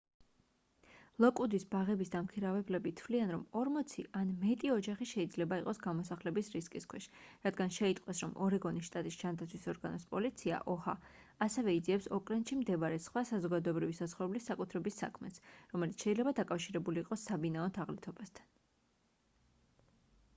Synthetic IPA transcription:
lˠɔkʼud̪isbaʁɛbisd̪amkʰiɾavɛblɛbit̪ʰvlianɾɔmɔɾmɔt̪sʰiʔanmɛt̪ʼiɔd͡ʒaχiʃɛid̪zlɛbaiqʼɔsɡamɔsaχlɛbisɾiskʼiskʰwɛʃɾad̪ɡanʃɛit̪ʼqʼwɛsɾɔmɔɾɛɡɔnisʃt̪ʼat̪ʼisd͡ʒand̪at̪sʰwisɔɾɡanɔspʼɔlit̪sʰia̰ʔɔha | asɛvɛid̪ziɛpsɔkʼlɛnʃimd̪ɛvaɾɛsχwasazɔɡad̪ɔɛbɾivisat̪sχɔɾɛblisːakʼut̪ʰɾɛbisːa̰kʰmɛsɾɔmɛlit̪sʰʃɛilɛbad̪akʼafʃiɾɛbuliːqʼɔsabinaɔnt̪ʰaʁlit̪ʰɔbast̪ʰḁn

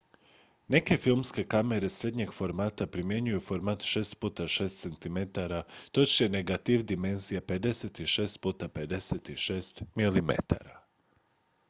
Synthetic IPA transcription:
ne̞ke̞filˠmske̞kame̞ɾe̞sɾe̞d̪ɲe̞ɡfo̞ɾmaːt̪apɾimje̞ɲujufo̞ɾmat̪ʃe̞ːst̪puːt̪aʃe̞ːst̪se̞nt̪ime̞t̪aɾat̪o̞t͡ʃjeneɡat̪iʋd̪ime̞nzijape̞d̪e̞set̪iʃe̞ːst̪̚puːt̪ape̞d̪e̞set̪iʃe̞ːst̪milimḛt̪a̰ɾa̰

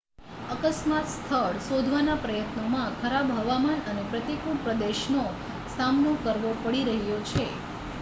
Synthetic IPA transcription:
əkəsmat̪st̪ʰəɭsod̪ʱʋanapɾəjət̪nomãkʰəɾabɦəʋamanənepɾət̪ikuɽpɾəd̪eʃno | samnokəɾʋopəɽiɾəɦjot͡ʃʰe

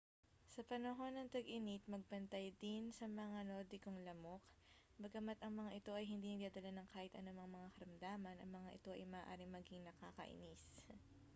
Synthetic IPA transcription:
sɐpɐnɐɦo̞nɐŋt̪ɐɡʔɪnit̪̚mɐɡ̚bɐnt̪ajd̪ɪnsɐmɐŋano̞ːd̪ɪkoŋlɐmo̞k | bɐɡɐmɐt̪ɐŋmɐŋaʔɪt̪o̞ʔɐjhɪnd̪inɐɡ̚d̪aːd̪ɐlanɐŋkaːhɪt̪ʔɐnomɐŋmɐŋakɐɾɐmd̪aːmɐnʔɐ̰ŋmɐŋaʔɪt̪o̞ʔɐ̰jmɐːʔa̰ːɾɪŋmɐɡiŋnɐkaːkɐ̰ʔɪ̰nis

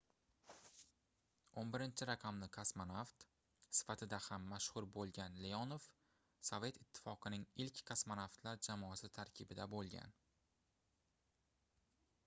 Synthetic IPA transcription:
onbɪɾɪnt͡ʃʰɪɾaqʰɑmlɪkʰasmanaft̪ | sɪ̥fat̪ʰɪd̪ahamːaʃhʊɾbolˠɡʲanleɒnof | sove̞t̪ɪt̪ʰːɪ̥fɒqʰɨnɪŋɪlkʲkʰasmanaft̪laɾd͡ʒamɒasɪt̪ʰaɾkʲʰɪbɪd̪abolˠɡʲa̰n

